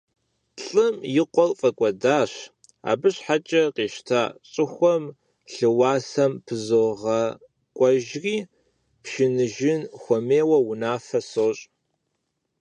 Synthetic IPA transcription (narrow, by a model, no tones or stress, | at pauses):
ɬʼɨmjɪqʷɔlfʼɐkʷʼɔdaːɕ | a̰ːbɨɕħat͡ʃʼɐqeːʃtʰaːɕʼɨxʷɔm | ɬɨwɑːsɐmpʰɨzoʁɐ | kʷʼɔʒriː | pʃɪnɨʒɪnxʷɔmeːwɐwʊnaːfɐsoːɕʼ